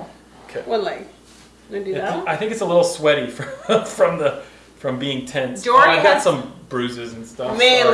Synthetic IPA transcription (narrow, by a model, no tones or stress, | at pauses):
oʊkʰeɪwʌlaɪ | ɨ̃dɨɨaɪθɪ̃ŋkɨtsəlɪɾl̩ˠswɛɾifɹfɹʌ̃mðɨ | fɹʌ̃mbiɪ̃ŋtʰɛ̃nsd̥ɔɡɑtsʌ̃mbɹʉzɨzn̩stʌfme